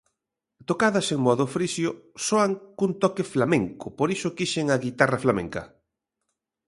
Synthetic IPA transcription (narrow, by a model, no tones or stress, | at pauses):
t̪okaðɐseŋmoaðofɾisjosoaŋkunt̪ɔkeflamẽŋkʊpoɾisʊkiʃeŋaɣit̪araflamḛŋkɐ